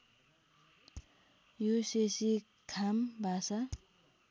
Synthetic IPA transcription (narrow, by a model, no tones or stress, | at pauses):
juɕeɕi | kʰambasa